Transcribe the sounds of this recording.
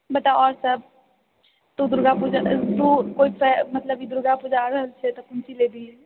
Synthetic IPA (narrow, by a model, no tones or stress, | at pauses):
bəʈ̪aɔːɾsəb̚ | t̪ud̪ʊɾɡapud͡ʒad̪ukoipʰɛmət̪ləbid̪ʊɾɡapʊd͡ʒaɾəɦəlt͡ʃʰɛt̪okʊnsileb̪ʱi